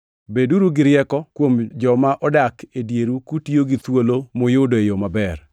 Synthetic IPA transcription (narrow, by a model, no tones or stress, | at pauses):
beduɾuɡɪɾjɛkɔkwomd͡ʒɔmaʔɔdakedjeɾukutioɡit̪wolomojʊdoejomabɛr